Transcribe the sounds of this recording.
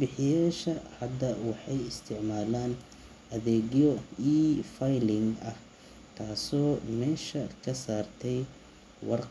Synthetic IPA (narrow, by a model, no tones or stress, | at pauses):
bɪħɪjaːʃɐhɐd̪ɐwɑħɑjɪst̪ʰɪʕmaːlaːn | ʔɐðɛːɡjɔifajlɪŋɐh | k̪ʰaːsɔːmɛːʃɐkʰɐsaːrt̪ʰɛj | wʔɑ̰r